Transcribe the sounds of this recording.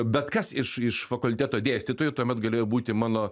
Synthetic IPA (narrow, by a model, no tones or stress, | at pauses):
bʲɛt̪kɐsɪʃɪʃfɐkʊlʲt̪ʲæːt̪oːd̪ʲeːsʲt̪ʲiːt̪oːjɛt̪uɔmʲɛt̪ɡɐlʲeːjoːbuːt̪ʲɪmɑːnoː